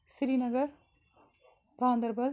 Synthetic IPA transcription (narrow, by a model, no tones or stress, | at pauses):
sɪɾinɐɣɐɾ | t̪aːnd̪ɐɾbɐl